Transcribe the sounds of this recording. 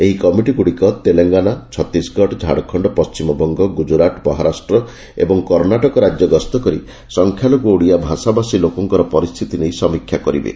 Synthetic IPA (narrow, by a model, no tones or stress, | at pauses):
eɦikɔmiʈikuɽikɔt̪eleŋɡanat͡ʃʰɔt̪isɡʱɔʈd͡ʒʱa̰ɽɔkʰɔɳɖɔpɔst͡ʃimɔbɔŋɡɔɡud͡ʒuɾaʈbɔɦaɾasʈɾɔ | ḛbɔŋkɔɾnaʈɔkɔɾad͡ʒjɔɡɔst̪ɔkɔɾḭ | sɔŋkʰjalɔɡowɽiabʱasabasilokɔŋkɔɾɔpɔɾist̪ʰit̪inejsɔmikʰːjakɔɾḭbḛ